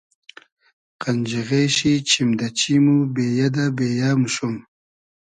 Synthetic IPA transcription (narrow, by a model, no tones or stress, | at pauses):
qand͡ʒiɣeʃit͡ʃʰimd̪at͡ɕimubejad̪abeːjaːmuʃum